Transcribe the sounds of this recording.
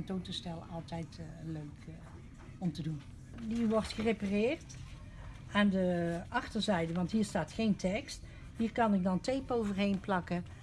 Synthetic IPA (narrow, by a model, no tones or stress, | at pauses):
əntowtəstɛlˠɑlˠtɛjtløɥk | ɔmtədun | diʋɔrtχəreparɪːrt | aːndəɑxtəɹzɛjdəʋɑntɦiːɹstaːtxejntʰɛkst | ɦiːrkɑnɪɡ̚dɑntejpowvərɦejnplɑkə